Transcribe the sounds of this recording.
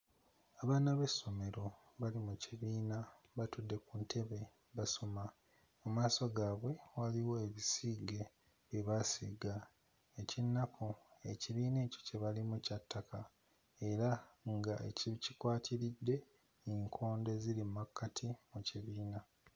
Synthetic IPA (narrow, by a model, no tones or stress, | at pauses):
aβaːnaβe̞sːo̞me̞ɾo̞ | βalimuciβiːna | βatudːe̞kuntʰe̞βe̞ | βasoma | mumaːso̞ɡaːβwe̞waliwo̞eβisiɡe̞ | eβasiɡa | ecinːakʰoe̞ciβiːne̞ːco̞̥ce̞βalimucatːakʰa | e̞ɾaŋɡaecicikwaːtʰiɾidːe̞ | iŋkʰo̞ːnde̞zilimakːatʰimuciβiːna